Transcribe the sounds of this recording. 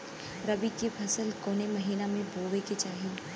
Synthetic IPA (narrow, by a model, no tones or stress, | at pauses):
ɾɐbikepʰɐsəlkoːnemɐɦiːnamẽbʱoːʋeket͡ʃaːɦie